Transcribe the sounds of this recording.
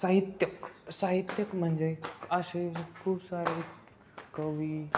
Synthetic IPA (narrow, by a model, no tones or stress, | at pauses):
saɦit̪jəksaɦit̪jəkm̤əɳd͡zeəɕekʰuːbsaɾiː | kəʋiː